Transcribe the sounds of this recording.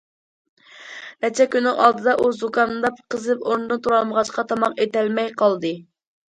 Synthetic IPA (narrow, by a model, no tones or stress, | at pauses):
nɛt͡ʃʰɛkʲynːɪŋʔɑ̰lˠd̪ɨd̪ɑʔuzukʰɑnd̪ɑpqʰəzɨpoɾnɨd̪ɨt̪ʰuɾɑlˠməʁɑʃqʰɑt̪ʰɑmɑqet̪ɛlmɛjqʰɑlˠd̪ɨ